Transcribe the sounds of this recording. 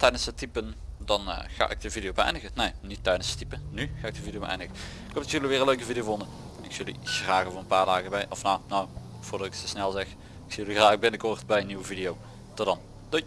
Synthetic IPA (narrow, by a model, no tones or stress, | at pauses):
tɛjdənsətipəndɑn̰xa̰ːʔɪk̚dəvidijowbəɛ̰jndəɣənejnitːɛjdənsə̥tipənnyxaːɪk̚dəvidjowbə̰ʔɛ̰jndəɣə | ɪkɛpdtsjøliʋɪːrənløɥkəvidijovondə | nɪksjɵlḭsraːɣəvoːənpaːɹdaːɣəbɛjʔɔfnawnow | v̥ʊːrdɑtɪksəsnɛlˠzɛx | ɪksijəlixraːxbɪnəkɔrtbɛjənːiʋəvidijow | tɔdɑn | d̥o